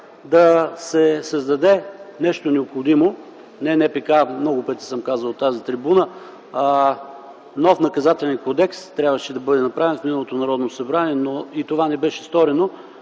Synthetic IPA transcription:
d̪ɐsɛsɐzd̪ɐd̪ɛnɛʃt̪onɛopxod̪imo | nɛnɛpɛkamnɔɡʊpət̪i̥səmkazəlˠot̪ːazit̪ɾibunə | nɔfnɐkɐzat̪ɛlɛnkod̪ɛkst̪ɾʲjabvəʃɛd̪ɐbɤd̪ɛnɐpɾavɛnfminəɐlˠot̪onɐɾɔd̪nosɐbɾaniɛnoit̪ovanɛbɛʃɛ̥st̪ɔɾɛno

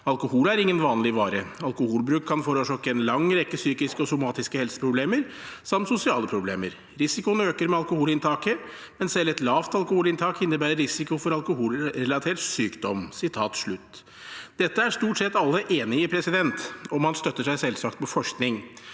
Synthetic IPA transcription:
ɑlkʊhuːlæɾɪŋːənʋɑːnlɪʋɑːɾəɑlkʊhuːlbɾʉːkʰːɑnfoːɾɔʂøkːəɛnlɑŋɾɛkːəsyːkɪskəɔsʊmɑːt̪ɪskəhɛlsə̥pʰɾʊbleːməɾ | sɑmt̪sʊsɪɑːləpʰɾʊblḛːməɾ | ɾɪsɪkʊnəøːkəɾmɛɑlkʊhuːlɪnt̪ʰɑːkə | mɛnsɛlːɛt̪lɑːʋt̪ɑlkʊhuːlɪnt̪ʰɑːkɪnːəbæːɾəɾɪsɪkʊfɔɾɑlkʊhuːlɾɛlɑt̪ʰɛːʈsyːkd̪ɔmsɪt̪ʰɑːt̪ʂɭʉt̪ː | d̪ɛt̪ːəæʂt̪uːʈsɛt̪ːɑlːəʔeːnɪɪpʰɾɛsɪd̪ɛnt̪ɔmhɑnst̪œt̪ːəʂæɪsɛlsɑk̚t̪mɛfɔʂknɪŋ

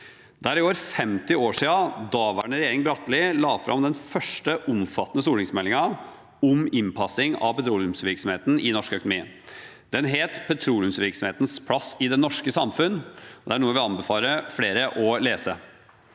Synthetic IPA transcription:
d̪æɾɪoːʋəɾfɛmt̪ɪoːʂiːɑd̪ɑːʋæɳəɾɛjeːɾɪŋbɾɑt̪ːlɪlɑːfɾʔɑ̰md̪ɛnfœʂʈəʔʊmfɑt̪ːənəsuːlɪŋsmɛlːɪŋɑ | ɔmɪnpʰɑsɪŋɑ̰ʋpɛt̪ʰɾuːlʉmsʋɪɾksɔmheːt̪ən̩ɪnɔʂkœkʊnmiːə | d̪̥ɛnɦeːt̪pʰɛt̪ʰɾuːljʉmsʋɪɾksɔmheːt̪ən̩spʰlɑsɪd̪ɛnɔʂkəsɑmfʉnːɔd̪ɛæɳuːəʋɪɑnbɛfɑːləfleːɾəʔɔleːsə

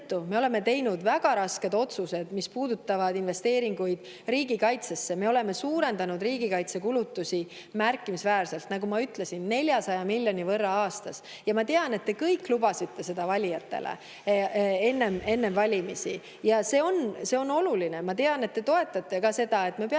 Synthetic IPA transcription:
t̪ːume̞o̞le̞me̞t̪e̞jnud̪væɡ̥ɑɾɑske̞d̪o̞t̪suse̞d̪̥mispuːd̪ut̪ˑːɑvɑd̪inve̞st̪e̞ːɾiŋɡujd̪̥ | ɾiːɡikɑjt̪sesːe̞me̞o̞le̞me̞suːɾe̞nd̪ɑnud̪riːɡ̥ikɑjt̪sekulut̪ːusi | mærkːˑimisvæːrse̞lt̪nɑɡumɑyt̪le̞sinːe̞lʲjɑsɑjɑmilʲjo̞nʲivɤrːɑɑːst̪ɑs | jɑmɑt̪e̞ɑne̞t̪d̪e̞kɤjkːˑlubɑsit̪ːe̞se̞d̪̥ɑvɑlʲijɑt̪ːe̞̰lḛ | e̞nːe̞me̞nːe̞mvɑlʲimisi | jɑse̞ːo̞nse̞o̞no̞luline̞mɑt̪e̞ɑne̞t̪̚ːe̞t̪o̞e̞t̪ːˑɑt̪ːˑe̞kɑse̞d̪̥ɑe̞t̪me̞pe

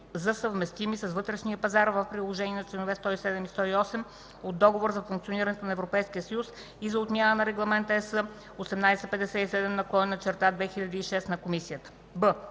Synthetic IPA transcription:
zɐsəvmɛst̪imisɐsvɤt̪ɾɛʃnijəpɐzaɾvəfpɾilˠoʒɛniɛnɐt͡ʃlɛnovɛst̪ɔisɛd̪ɛmist̪ɔiɔsɛm | od̪ːɔɡovoɾzɐfuŋk̚t̪sioniɾɐnɛt̪onɐɛvɾopɛjskiəsɐjus | izɐot̪nʲjanənɐɾɛɡlˠɐmɛnt̪əɛsə | osɛmnajsɛpɛd̪ɛsɛisɛd̪ɛmnɐkˠɔnːɐt͡ʃɛɾt̪ad̪vɛxiʎʲɐd̪iːʃɛst̪nɐkomisiət̪ə̥ | bə

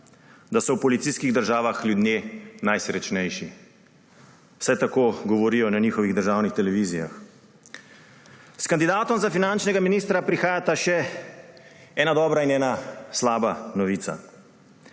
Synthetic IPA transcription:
d̪asɔwpɔlit̪siskiɣd̪əɾʒaːʋaxljud̪njeːnajsɾɛt͡ʃnɛjʃi | w̥sɛt̪akoːɡɔʋɔɾiːjɔnanixɔʋiɣd̪əɾʒaːwnixt̪ɛlɛʋiːzija̰x | skand̪id̪aːt̪ɔmzafinant͡ʃnɛɡaminiːst̪ɾapɾixaːjat̪aʃɛ | ɛːnad̪ɔːbɾainɛːnaslaːbanɔʋiːt̪sa̰

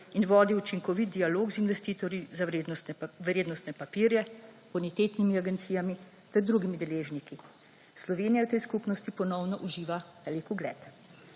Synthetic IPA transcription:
inʋɔːd̪iut͡ʃiŋkɔʋit̪̚d̪ijaloːɡzinʋɛst̪iːt̪ɔɾjizad̪ʋɾeːd̪nɔst̪nɛpapiːɾjɛ | bunit̪eːt̪nimiaɡɛnt̪siːjami | t̪ɛɾd̪ɾuɡimid̪ɛleːʒniki | slɔʋeːnijawt̪ɛjskupnɔst̪ipɔnɔwnɔʔuʒiːʋaʋɛːlikuɡlɛ̰ːt̪

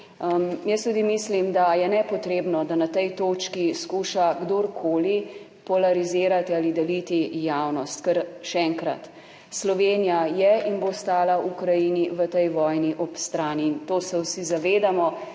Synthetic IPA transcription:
mjəst̪ud̪imislimd̪ajɛnɛpɔt̪ɾeːbnɔd̪anat̪ɛjt̪oːt͡ʃkiskuːʃaɡd̪oɾkʰoːli | pɔlaɾiziːɾat̪ialid̪ɛlit̪ijawnɔst̪kəɾʃɛɛŋkɾa̰t̪ | slɔʋeːnijajɛinbost̪aːlaʔukɾajiniʋət̪ɛjʋɔːjniʔɔpst̪ɾaːniːnt̪oːsɛwsizaʋeːd̪amɔ

